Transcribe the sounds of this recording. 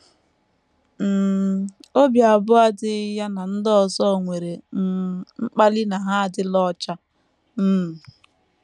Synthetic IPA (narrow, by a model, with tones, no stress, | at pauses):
m̩˨ | o˦bja˨bʊ˦a˦dɪ˦ja˦na˨n̩˦dɔ˦˨sɔ˦˨ŋʷe˨ɾe˨˦ | ŋ͡m̩˦k͡pa˦lɪ˦na˨ɦa˦a˨dɪ˦lɔ˦t͡ʃa˦ | m̩˦˨